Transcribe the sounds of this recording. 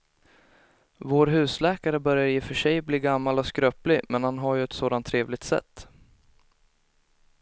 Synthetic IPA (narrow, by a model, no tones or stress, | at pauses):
voːɾɦʉ̟ːslɛːkaɾəbœɾjaɾɪfœʂɛjbliːɡamːalɔskɾœːplɪmɛnhanɦaɾjɵɛt̪soːd̪ant̪ʰːɾeːvlɪɡ̚t̪sɛ̰t̪ː